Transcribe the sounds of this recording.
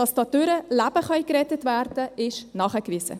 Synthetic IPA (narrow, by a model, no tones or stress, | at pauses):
ɑsd̥ɑdʏɾəlæb̥əχœjkɾɛtətvæɾdəɪʃnɑːχəkvɪsə̰